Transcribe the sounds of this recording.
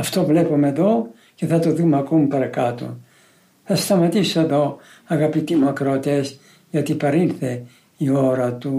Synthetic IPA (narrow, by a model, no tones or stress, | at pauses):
ɐft̪o̞vle̞pomeðo̞ | ce̞θɐt̪o̞ðumɐko̞mupɐɾɐkɐt̪o̰ | θɐst̪ɐmɐt̪isoeðo̞ | ɐɣɐpit̪imuɐkɾot̪es | ʝɐt̪ipɐɾinθe̞ | io̞ɾɐt̪u